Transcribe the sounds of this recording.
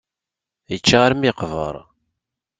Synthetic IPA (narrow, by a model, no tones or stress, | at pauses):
jət͡ʃːaʁaɾmiqvə̰ɾˤ